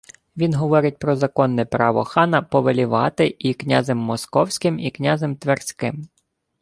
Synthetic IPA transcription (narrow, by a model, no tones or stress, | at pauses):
ʋʲinɦɔʋɔɾɪt̚ʲpɾɔzɐkɔnːɛpɾɑʋɔ̰xɑnɐpɔʋelʲiʋɑt̪ɪiknʲazɛmːɔskɔwsʲkɪmiknʲɑzɛmt̪ʋersʲkɪm